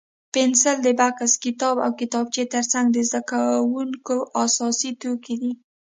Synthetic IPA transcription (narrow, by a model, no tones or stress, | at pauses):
pɪnsəld̪əbakaskɪt̪ɑba̰wkɪt̪ɑb̚t͡ʃet̪əɾt͡saŋɡd̪əzd̪akawuŋkoʔasɑsit̪oked̪i